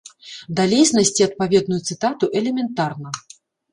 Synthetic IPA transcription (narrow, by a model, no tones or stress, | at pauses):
d̪alʲɛsʲnɐsʲt͡sʲiɐt̪̚pavʲɛd̪nujut̪sɨt̪at̪uʔɛlʲɛmʲɛnt̪arnɐ